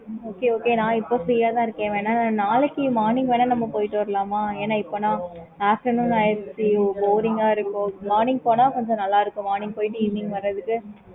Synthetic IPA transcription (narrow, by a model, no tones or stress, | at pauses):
oːkeːoːkeːnãːɪpːoːsɛjaːt̪ãːɪɾɯkːẽːʋeːnːaːnnaːlɛkːimaːɾnɪŋɡʋɐnːɐnɐmːɐpoːjɪʈːɯʋɐɾɐlaːmaːeːnaːɪpːonãː | aːfʈɐnuːnɐɛsiboːɾɪŋɡaːɪɾɯkːõmaːɾnɪŋɡ̚poːnãːkɔɲd͡ʒɔ̃nɐlːaːɪɾɯkːʊ̃maːɾnɪŋɡ̚poːjɪʈːɯɪnɪŋɡʋɐɾːɐðɯkːɯ